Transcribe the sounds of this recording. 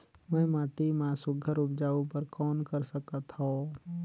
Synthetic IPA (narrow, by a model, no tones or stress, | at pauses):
mɛ̃ːmaːʈimãsʊɡʱəɾʊp̚d͡ʒaːupəɾkɔːnkəɾsəkət̪ɦõ